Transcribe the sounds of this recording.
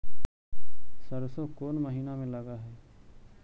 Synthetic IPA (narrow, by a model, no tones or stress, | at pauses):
səɾsõːkoːnməɦiːnaːmẽːləɡaːɦɛː